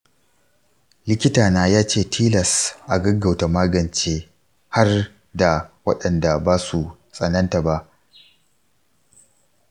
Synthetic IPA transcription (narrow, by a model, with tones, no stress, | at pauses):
lɪ˦kʲɪ˦taː˨naː˦jaː˦t͡ʃeː˦˨tʰiː˦lɐ˨sʔa˨ɡɐ˦ɡa˨wta˨maː˦ɡɐ˨nt͡ʃeː˦ | ha˦r | da˨wɐ̰˦ɗɐ˨nda˨baː˦su˨ | sʼɐ˨nɐ˦nta˨ba˦ʔ